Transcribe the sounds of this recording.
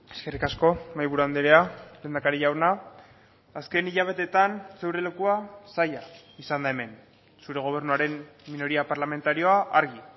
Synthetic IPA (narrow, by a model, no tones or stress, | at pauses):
e̞̥ske̞rikasko̞majβ̞uɾuand̪eɾealeːnd̪akaɾiʝawnaː | ske̞niʎaβ̞e̞t̪e̞t̪anse̞wɾele̞kuasajaisand̪aeme̞n | suɾe̞ɣ̞o̞β̞e̞ɾnuaɾe̞nmino̞ɾiapaɾlame̞nt̪aɾio̞aʔaɾɣi